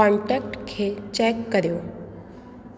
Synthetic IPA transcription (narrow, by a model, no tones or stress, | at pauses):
ɔ̃ɳʈɛk̚ʈkʰet͡ʃɛkːəɾjo